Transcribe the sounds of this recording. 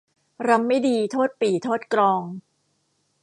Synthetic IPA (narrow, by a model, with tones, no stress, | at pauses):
ɾa˦˥mːa˥˩jdiː˧t̪ʰoː˥˩t̪̚piː˨˩t̪ʰoː˥˩t̪̚klɔː˧ŋ